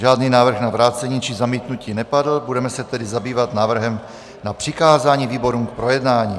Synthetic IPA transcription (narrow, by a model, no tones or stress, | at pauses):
ʒaːdninaːvr̩xnavɾaːt͡sɛɲit͡ʃizamiːt̪nuciːnɛpadl̩budɛmɛsɛt̪ɛdɪzabiːvat̪naːvr̩ɦɛm | napr̝̥ɪkaːzaːɲiːviːbo̞ɾuːmk̚pɾo̞jɛdnaːɲiː